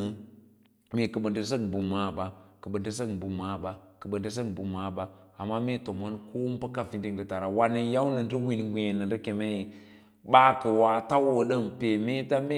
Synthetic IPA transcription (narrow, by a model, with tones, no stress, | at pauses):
me˨kə˨ɓə˨ndə˨s̬ə˦kbu˨ma˦˨ba˨kə˨ɓə˨ndə˦s̬ə˦kbu˨ma˦˨ba˨kə˨ɓə˨ndə˦s̬ə˦kbu˨ma˨˦ba˦a˨mːa˦me˦to˨mo˦nko˦m˦pə˦ka˦vi˨ndi˨ŋɡə˨ta˨ɾa˨wa˦nə˦ja˦wnə˨ndə˦wi˦˨n˨ɡʷe˨nə˨ɾə˦ke˨me˦ji˨ | ba˦kə˨wa˨ta˦wə˨ɗə˦mpe˨me˦ta˦me˦